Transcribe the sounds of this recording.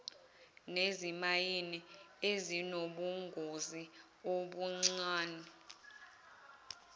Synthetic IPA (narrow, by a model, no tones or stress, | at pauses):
nezimajiniezinoɓuŋɡʱozi | oɓuŋ͡ǀaːnɛ